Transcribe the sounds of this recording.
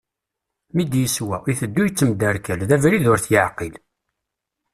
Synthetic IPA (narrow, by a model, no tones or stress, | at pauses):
mid̪jəswæiθəd̪ːujət͡sːəmd̪əɾkəlðævɾiðʊɾθjəʕqil